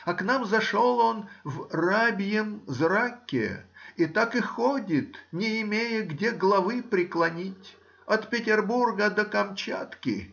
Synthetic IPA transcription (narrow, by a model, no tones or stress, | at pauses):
ɐknamzɐʂolˠo̞nvrabʲɪjəmzrakʲːɪ̰ɪt̪akɪxodʲɪt̪nʲɪɪmʲejɪɡdʲeɡlˠɐvɨpɾʲɪklˠɐnʲitʲ | ɐt̪pʲɪtʲɪrburɡəd̪əkɐmt͡ɕa̰t̪kʲɪ̰